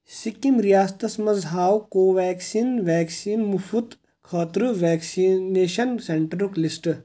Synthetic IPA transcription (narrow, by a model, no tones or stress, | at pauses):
sikimɾijaːst̪ɐsmɐzɦaːwkoːʋɛːksiːnʋɛːksiːnmufud̪ | kʰɐːt̪ɾɨʋɛːksineːʃɐnseɳʈɾuklisʈ